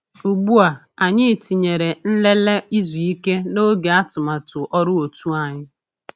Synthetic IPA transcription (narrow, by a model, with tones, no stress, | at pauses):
u˨ɡ͡bu˦a˨ | a˨ɲɪ˦˨ti˨ɲe˨ɾe˨n̩˦le˦le˦i˦zu˨i˦ke˦no˦ɡe˨a˦tʊ˨ma˨tʊ˨ʔɔ˦ɾʊ˦o˨tu˦a˨ɲɪ˦